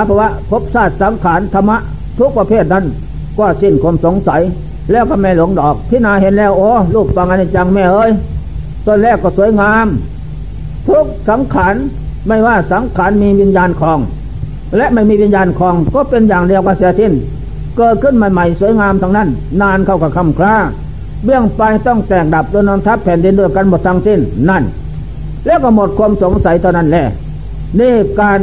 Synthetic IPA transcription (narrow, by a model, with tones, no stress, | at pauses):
aː˨˧˦pʰɔ˧waː˧˩pʰo˦˥p̚saː˧˩t̪̚sa˨˦ŋkʰaː˨˦nt̪ʰa˧mːa˧˥ʔ | t̪ʰu˦˥k̚pa˧pʰeː˧˩t̪̚na˧˥˨n | kɔː˧˩si˧˩˨nkʰu˧ə˨mso˨˦ŋsa˨˦j | lɛː˧˩wkɔː˧˩mɛː˧˨lo˨˦ŋdɔː˨˩k̚t̪ʰiː˧˨naː˧˨ɦe˧nlɛː˧˩˨wʔoː˧˦luː˧˩p̚fa˧ŋʔa˧˨na˧˩t͡ɕa˧ŋmɛː˧˩ʔɤː˧˨j | so˧˨nlɛː˧˩wkɔː˧˩su˨˦əjŋaː˧m | t̪ʰu˦˥k̚sa˨˦ŋkʰaː˨˦n | ma˧˩jwaː˧˩sa˨˦ŋkʰaː˨˦˥nmiː˧wi˧˥njaː˧nkʰɔː˨˧˦ŋ | lɛ˧˥ʔma˧˩jmiː˧˥˧i˧˨njaː˧nkʰɔː˨˦ŋkɔː˧˥˦pe˧njaː˨˩ŋdi˧əwkaː˧˩siɛː˧si˧˩˨n | kɤː˨˩t̪̚kʰɯ˧˥˨nmaː˧˨ma˧˩jsu˨˦əjŋaː˧mt̪ʰa˧ŋna˧˩˨n | naː˧˨nkʰa˧˩wkʰa˧˩kʰa˧˥˨mkʰlaː˧˥˩ŋ | bɯ˧˩˨əŋpa˧jt̪ɔ˧˥˩ŋt̪ɛː˨˩k̚da˨˩p̚du˧˨jnɔː˧˦mt̪ʰa˦˥pʰːɛː˨˦ndi˧ndu˧˩əjka˧˥˨nmo˨˩t̪ʰːa˧ŋsi˧˥˩nna˧˩˨n | lɛː˧˩wkɔː˧˩˨mo˨˩t̪̚kʰu˧əmso˨˦ŋsa˨˦jt̪ʰa˧˩wna˧˥˩nlɛː˧˩ | niː˧˩˨kaː˧n